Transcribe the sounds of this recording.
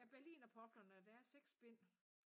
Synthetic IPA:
æɐb̥æɐlḭːnɒpʰɒ̽b̥lɐnəɒd̥ææɐseɡ̥sb̥e̝n̰

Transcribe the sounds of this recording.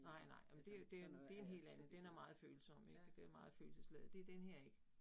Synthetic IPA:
nɑ̈ɪ̰nɑ̈ɪ̰jɑmnd̥e̝d̥e̝d̥e̝æɐe̝nɦe̝̰ːlænn̩d̥enæɐmɑ̈ːð̞̩ˠføːl̩sɒ̽m̰eɡ̥d̥e̝æɐmɑ̈ːð̩ˠfø̰ːl̩səsleð̩ˠd̥e̝æɐd̥enheɐ̰e̝ɡ̥ə

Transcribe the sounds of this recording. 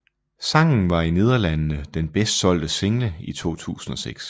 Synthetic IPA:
sɑ̈ŋ̰n̩ʋɑ̈ine̝ð̞ˠɐlænənəd̥enb̥esd̥sɒ̽l̰d̥əse̝ŋləit͡sʰo̝̰ːt͡sʰṵːsn̩ɒ̽seɡ̥s

